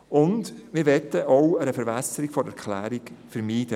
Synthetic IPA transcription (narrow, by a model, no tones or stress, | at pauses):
ʊndmɪːɾʋɛtːəɔwəɾəfəɾbɛsəɾikfɔɾɛɾkʰlæ̰ːɾikfəɾmiːd̥ə